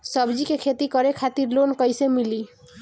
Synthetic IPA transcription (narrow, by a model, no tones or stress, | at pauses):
sʌbd͡ʒikekʰet̪ikʌɾekʰat̪iɾlonkʌjsemili